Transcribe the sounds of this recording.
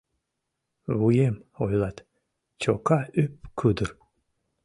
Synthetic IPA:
βujemojlˠɑt̪ | t͡ɕokɑypkʰud̪ɨɾ

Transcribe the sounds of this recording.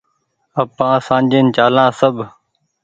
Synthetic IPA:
əpãːsãːd͡ʒeːnt͡ʃaːlãːsəbʱ

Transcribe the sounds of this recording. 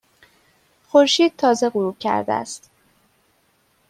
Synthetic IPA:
xoɾʃiːd̪̥̚t̪ʰɒːze̞ɣuɾuːb̥̚cʰæ̰ɾd̪æ̰æ̰st̪

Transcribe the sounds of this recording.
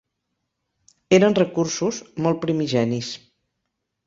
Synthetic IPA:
eɾənrəkursuzmɔlˠt̪̚pɾimiʒɛnis

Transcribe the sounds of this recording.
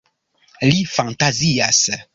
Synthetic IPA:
lifãnt̪azias

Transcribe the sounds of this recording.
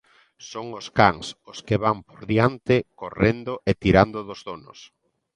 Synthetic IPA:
soŋʊskaŋsoskeβampoɾðiant̪ɪkorend̪oʔet̪iɾand̪ʊðozðonʊ̰s

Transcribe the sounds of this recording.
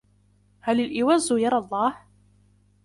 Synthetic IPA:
halɪlʔɪwazːʊjɑɾˤɑlˤːɑːh

